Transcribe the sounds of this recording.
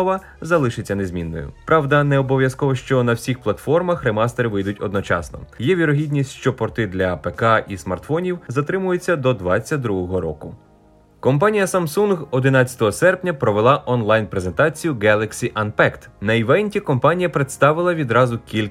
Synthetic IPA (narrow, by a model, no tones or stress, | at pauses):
ʋɐ | zɐlˠɪʃɪt͡sʲːɐne̞zʲmʲinːɔ̰jʊ̰pɾɑwd̪ɐnɛɔbɔʋjɐskɔʋɔʃt͡ʃɔnɐwsʲixplˠɐt̪fɔrmɐxɾemɑst̪eɾɪʋɪjd̪ʊtʲɔd̪nɔt͡ʃɑ̰snɔ̰jɛʋʲiɾɔɦʲidʲnʲisʲtʲʃt͡ʃɔpɾɔt̪ɪd̪lʲɐpekɑʔismɐ̰rt̪fɔnʲiwzɐt̪ɾɪmʊjet͡sʲːɐd̪ɔd̪ʋɑt͡sʲːɐt̚ʲd̪ɾuɦɔɦɔɾɔ̰kʊ | kɔmpɑnʲijɐsɐmsunɦɔd̪ɪnɑt͡sʲɐt̪ɔɦɔsɛrpnʲɐpɾɔʋelˠɑʔɔnlˠɑjnpɾe̞ze̞nt̪ɑt͡sʲijʊɡɛlˠɐksʲiʔɐnpɛkt̪nɐiʋɛnʲtʲikɔmpɑnʲijɐpɾet̪st̪ɑʋɪlˠɐʋʲid̪ɾɑzʊkʲilʲ